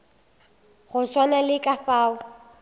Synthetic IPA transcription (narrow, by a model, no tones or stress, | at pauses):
χʊswanalɪkʼafaːʊ